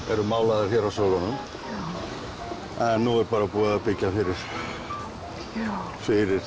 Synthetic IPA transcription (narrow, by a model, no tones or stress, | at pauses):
ɛɾʏmaːwlaðɪɾ̥çɛɾawsowlanʏm | ɛnːuɣɛɾpaːɾapuːaapɪcːafɪɾɪɾ̥ | fɪɾɪɾ̥